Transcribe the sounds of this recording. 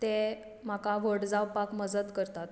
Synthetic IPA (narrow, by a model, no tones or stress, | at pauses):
t̪e | m̤akaʋəɽd͡zawpakməd͡zət̪kəɾt̪at̪